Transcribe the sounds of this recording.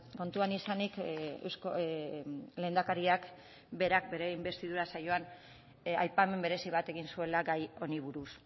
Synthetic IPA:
ko̞nt̪uanisanikḛwsko | le̞ːnd̪akaɾiak | be̞ɾak̚be̞ɾe̞imbe̞st̪ið̞uɾasajo̞an | a̰jpame̞mbe̞ɾe̞siβ̞at̪e̞ɣinsue̞laɡajo̞niβuɾus

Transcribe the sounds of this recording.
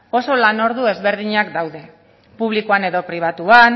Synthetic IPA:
o̞so̞lano̞ɾðue̞zβe̞ɾð̞iɲakd̪awðe̞ | puβ̞likoane̞ðo̞pɾiβ̞at̪uan

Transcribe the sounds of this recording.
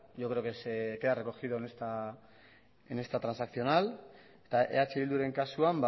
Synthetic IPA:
ʝo̞kɾekeskeðare̞ko̞xiðo̞enest̪a | ene̞st̪at̪ɾansakθio̞nal | et̪aʔe̞̰at͡ʃeβild̪uɾe̞ŋkasuamba

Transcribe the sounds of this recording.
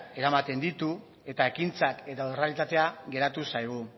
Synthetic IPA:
e̞ɾamat̪e̞nd̪it̪u | e̞t̪ae̞kint͡sake̞t̪aorealit̪at̪e̞aɣe̞ɾat̪usajɣ̞u

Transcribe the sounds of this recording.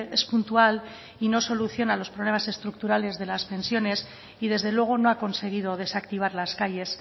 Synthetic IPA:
espunt̪ual | ino̞so̞luθjo̞nalo̞spɾoβle̞mase̞st̪ɾuk̚t̪uɾale̞zðe̞laspe̞nsjo̞ne̞s | iðe̞zðe̞lwe̞ɣ̞o̞no̞ako̞nse̞ɣ̞ið̞o̞ð̞e̞sakt̪iβ̞aɾlaskaje̞s

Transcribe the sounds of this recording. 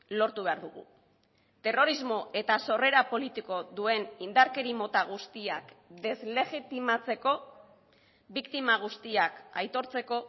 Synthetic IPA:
lo̞ɾt̪uβe̞aɾðuɣ̞ṵ | t̪e̞ro̞ɾizmo̞e̞t̪aso̞re̞ɾapo̞lit̪iko̞ðue̞nind̪aɾke̞ɾimo̞t̪aɣ̞ust̪iakd̪e̞zle̞ɣit̪imat͡se̞ko̞ | bikt̪imaɣ̞ust̪iakajt̪o̞ɾt͡se̞ko̞

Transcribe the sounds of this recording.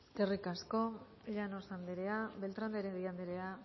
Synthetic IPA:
skerikasko̞ | ʎanosand̪eɾeaβe̞lt̪ɾand̪eɾeŋɡejand̪eɾea

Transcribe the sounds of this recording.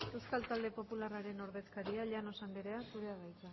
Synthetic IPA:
e̞wskalt̪ald̪e̞po̞pularaɾe̞no̞ɾðe̞skaɾiaʎano̞sambe̞ɾe̞asuɾe̞aβajt͡s̪a

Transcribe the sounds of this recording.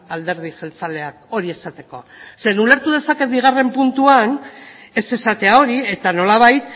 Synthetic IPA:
ald̪e̞ɾð̞iʝelt͡sale̞ak̚o̞ɾie̞sat̪e̞ko̞se̞nule̞ɾt̪uð̞e̞sake̞t̪̚biɣ̞are̞mpunt̪uane̞se̞sat̪e̞ao̞ɾie̞t̪ano̞laβ̞ajt̪

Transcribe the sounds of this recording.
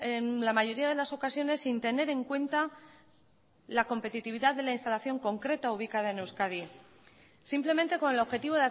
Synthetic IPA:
enlamaʝo̞ɾiað̞e̞laso̞kasjo̞ne̞sːint̪e̞ne̞ɾe̞ŋkwe̞nt̪a | lako̞mpe̞t̪it̪iβiðaððe̞lainst̪alaθjo̞ŋko̞ŋkɾe̞t̪auβ̞ikaðaenewskaði | simple̞mẽnt̪e̞ko̞ne̞lo̞βxe̞t̪iβ̞o̞ða

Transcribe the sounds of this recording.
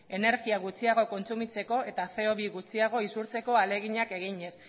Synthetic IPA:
e̞ne̞ɾɣiaɣ̞ut͡siaɣ̞o̞ko̞nt͡sumit͡se̞ko̞e̞t̪afe̞oβiɣut͡siaɣ̞o̞isuɾt͡se̞ko̞ale̞ɣ̞iɲake̞ɣ̞iɲe̞s

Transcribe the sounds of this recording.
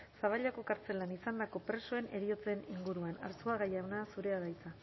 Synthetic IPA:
saβaʎako̞kaɾt͡se̞lanisand̪ako̞pɾe̞soe̞ne̞ɾio̞t͡se̞niŋɡuɾuana̰ɾsuaɣajawnasuɾe̞aðajt͡sa

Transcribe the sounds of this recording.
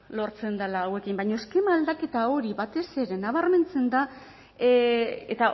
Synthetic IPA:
lo̞ɾt͡se̞nd̪alaːwe̞kimbajɲo̞eske̞maːld̪ake̞t̪ao̞ɾiβat̪e̞se̞ɾe̞naβ̞aɾme̞nt͡se̞nd̪a | et̪a

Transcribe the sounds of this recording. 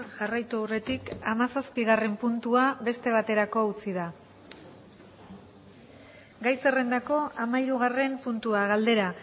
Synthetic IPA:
ʝarajt̪uawre̞t̪ikamasaspiɣare̞mpunt̪uaβe̞st̪e̞β̞at̪e̞ɾako̞ut͡sið̞a | ɡajse̞re̞nd̪ako̞amaiɾuɣ̞are̞mpunt̪uaɣald̪e̞ɾa

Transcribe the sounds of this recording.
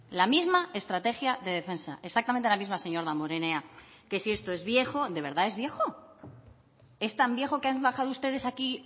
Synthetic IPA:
lamizmae̞st̪ɾat̪e̞xjaðe̞ðe̞fe̞nsa̰ʔeksak̚t̪ament̪elamizmase̞ɲo̞ɾðamo̞ɾe̞ne̞a | ke̞sie̞st̪o̞e̞zβje̞xo̞ðe̞βe̞ɾðae̞zβje̞xo̞ | e̞st̪ambje̞xo̞keanβaxaðoust̪e̞ðe̞saki

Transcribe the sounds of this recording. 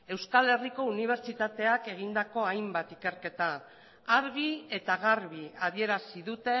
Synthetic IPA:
e̞wskale̞riko̞uniβ̞e̞ɾt͡ʃit̪at̪e̞ake̞ɣ̞ind̪ako̞ajmbat̪ike̞ɾke̞t̪aː | ɾɣie̞t̪aɣaɾβiaðie̞ɾasiðut̪e̞

